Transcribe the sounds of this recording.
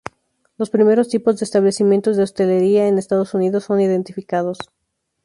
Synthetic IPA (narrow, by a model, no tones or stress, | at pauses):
lo̞spɾime̞ɾo̞st̪ipo̞zðe̞ːst̪aβle̞simjent̪o̞zðeo̞st̪e̞le̞ɾiaenest̪að̞osuniðo̞sːo̞niðe̞nt̪ifikað̞o̞s